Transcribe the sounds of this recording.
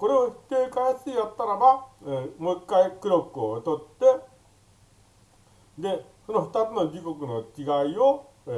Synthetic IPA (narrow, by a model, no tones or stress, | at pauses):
ko̞ɾe̞oɸɯ̥t̪e̞ːkaesɨijat̪ːaɾabaemoikːaikɯ̟ɾo̞kɯ̟ot̪o̞t̪ːe̞ | d̪e̞ | so̞noɸɯ̟̥t̪at͡sɨno̞d͡ʑiko̞kɯ̟no̞t͡ɕiɡaio